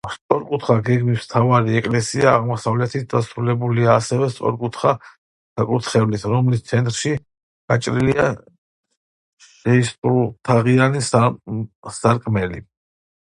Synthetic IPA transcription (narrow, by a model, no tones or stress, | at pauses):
st̪sʼɔɾkʼut̪ʰχaɡɛɡmist̪ʰavaɾiɛkʼlɛsiaːʁmɔsavlɛt̪ʰit̪̚d̪asɾulɛbuliaːsɛvɛst̪sʼɔ̰ɾkʼut̪ʰχa | sakʼut̪ʰχɛvlisɾɔmlist̪sʰɛnt̪ʼɾʃi | ɡ̥at͡ʃʼɾilia | ʃɛist̪ʼut̪ʰaʁianis | saɾkʼmɛlḭ